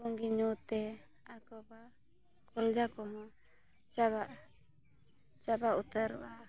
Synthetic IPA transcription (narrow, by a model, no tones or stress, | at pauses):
ɔŋɡiɲɔt̪ɛ | akɔba | kɔld͡ʒakɔmɔ | t͡ʃabaʔ | t͡ʃabaʔut̪əɾwa